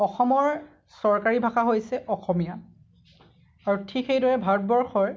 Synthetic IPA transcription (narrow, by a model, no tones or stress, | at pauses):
ɔxɔmɔɹ | sɔɹkaɹibʱaxaɦojsɛʔɔxɔmija | aɹutʰikejdɔɹɛbʱat̚bɔɹxɔɹ